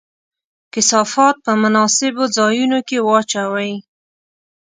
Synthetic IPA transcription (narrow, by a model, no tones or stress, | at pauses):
kɪsɑfɑt̪̚pəmʊnɑsɪbod͡zɑjunokewɑt͡ʃawaj